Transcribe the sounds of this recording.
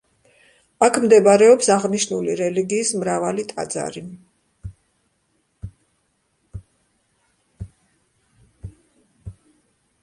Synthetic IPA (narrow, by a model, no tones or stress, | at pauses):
akʰmd̪ɛbaɾɛɔpsaʁniʃnuliɾɛliɡiːsmɾavalit̪ʼa̰d̪za̰ɾi